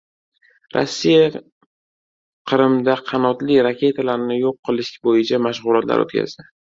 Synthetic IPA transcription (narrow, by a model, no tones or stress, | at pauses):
ɾa̰sːija | qʰɨɾɪmd̪aqʰɑnɒt̪liɾakʲe̞t̪ʰalaɾnɪjoqʰːɨlˠɪʃbojɪt͡ʃʰamaʃʁʊlˠat̪la̰ɾo̰t̪kʲʰa̰zd̪ɪ